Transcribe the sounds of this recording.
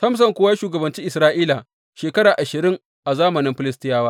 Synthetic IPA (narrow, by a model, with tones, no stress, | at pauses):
sɐ˦ms̬ɐ˨ŋkʷʊː˦wa˦ʃuː˨ɡɐ˨bɐ˨nt͡ʃiː˦ʔɪ˨sɾaː˦ʔiː˦la˨ | ʃeː˨kɐ˦ɽaː˨ʔa˨ʃɪ˨ɾɪ˦ŋ | ʔa˨zaː˦mɐ˨nɪ˦mɸɪ˨lɪ˦s̬tɪ˦jaː˦waː˦